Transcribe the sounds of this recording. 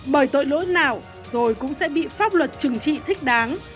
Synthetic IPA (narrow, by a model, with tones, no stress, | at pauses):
ɓəː˧˩jt̪o̰˧˨jlo̰˧˥naː˨˩w | zo˨˩jkʊ̰˧˥ŋ͡msɛ̰˧˥ɓḭ˧˨faː˦˥p̚lwə˨˩t̚t͡ɕɨ˨˩ŋt͡ɕḭ˧˨t̪ʰï˦˥k̟̚ɗaː˨˦ŋ